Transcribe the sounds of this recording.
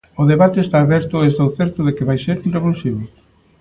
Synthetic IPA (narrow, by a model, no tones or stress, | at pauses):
ʊðeβat̪eest̪aːβɛɾt̪ʊest̪owθɛɾt̪ʊðɪkɪβajseɾunreβolsiβe